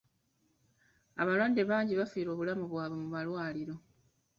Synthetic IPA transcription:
aβalwadːe̞βaːɲɟiβafiːɾo̞ːβulamuβwaːβwe̞muβalwaːliɾo̞

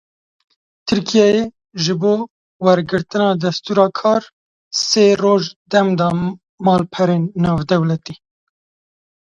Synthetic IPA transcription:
t̪ʰɨɾkʰijɑje | ʒɨboː | wɛɾɡɨɾt̪ɨnɑːd̪ɛst̪uːɾɑːkʰɑːɾ | seːroːʒd̪ɛmd̪ɑː | mɑːlpʰɛɾeːnːɑːvd̪ɛwlɛt̪iː

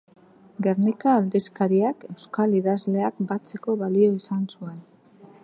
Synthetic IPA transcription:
ɡe̞ɾnikaːld̪iskaɾiake̞wskaliðazle̞ak̚bat͡se̞ko̞βalio̞isansue̞n

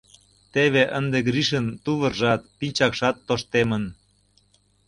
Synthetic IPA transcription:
t̪eβeʔənd̪eɡɾiʃənt̪uβərʒɑt̪̚pilʲt͡ɕɑkʃɑt̪ːoʃt̪emən

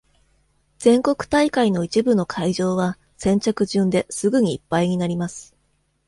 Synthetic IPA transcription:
z̥ẽ̞ŋko̞kɯ̟̥t̪aikaino̞it͡ɕibɯ̟no̞kʰaiʑo̞ːβa | sẽ̞ɲ̟t͡ɕakɯ̟ʑɨ̃nd̪e̞sɨɡɯ̟ɲ̟iːpːaiɲ̟inaɾʲimasɨ̥

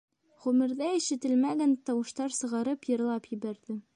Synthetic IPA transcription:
ʁʉmɘ̆ɾðæɘ̆ʃɘ̆t̪ɘlmæɡænt̪ɑwɤ̆ʃt̪ɑɾsɤ̆ʁɑɾɤpjɤ̆ɾlˠɑpjɘ̆bæɾðɘ

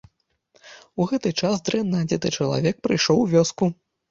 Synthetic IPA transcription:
uɣɛt̪ɨt͡ʂazd̪ɾɛnːad͡zʲɛt̪ɨt͡ʂɐlˠa̰vʲɛk̚pɾɨjʂɔwvʲɔsku

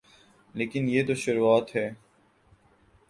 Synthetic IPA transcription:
leːkɪnjeːt̪oʃʊɾuaːt̪ɦɛː

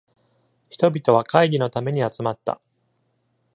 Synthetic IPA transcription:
çi̥t̪o̞bʲit̪o̞β̞akaiɾʲino̞t̪ame̞ɲ̟iat͡sɨmat̪ːa̰

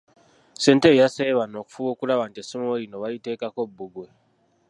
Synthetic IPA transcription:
se̞ːntejaseβano̞ku̥fuβo̞ːkulaβantisimojino̞βajite̞ːkako̞bːuɡwe

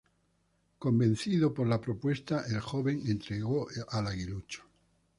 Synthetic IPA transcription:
kõmbẽn̟θiðopoɾlapɾopwe̞st̪aʔelxoβeŋẽnt̪ɾeɣoʔalaɣilut͡ʃo̥

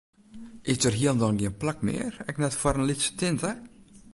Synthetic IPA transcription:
ʔɪsdərɦiəlˠndɔnɡiənplakmɪ̰ːərɛknɛtfəɾənlɪtsə̥tɪntə

